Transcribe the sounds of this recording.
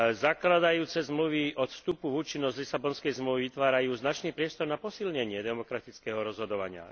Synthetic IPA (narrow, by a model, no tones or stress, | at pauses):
zaklad̪ajuːt͡sɛzmluʋiɔt̪fst̪upuvuːt͡ʃinːɔzzlisabɔnskɛjzmluʋiʋit̪ʋaːɾajuːznat͡ʃniːpɾɪɛst̪ɔɾnapɔsilɲɛɲɪɛd̪ɛmɔkɾat̪it͡skɛɦɔɾɔzɦɔd̪ɔʋaɲɪa̰